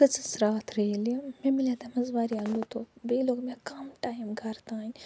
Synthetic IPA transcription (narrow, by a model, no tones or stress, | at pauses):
kɨt͡sɨsɾaːt̪ʰɾelimemilat̪ɐmɐzʋaːɾialut̪obeːlokmekɐmʈaːjmɡɐɾt̪aːnʲ